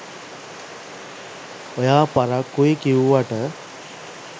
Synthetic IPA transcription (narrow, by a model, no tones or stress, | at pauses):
ojaːpaɾakːuikiuʋaʈə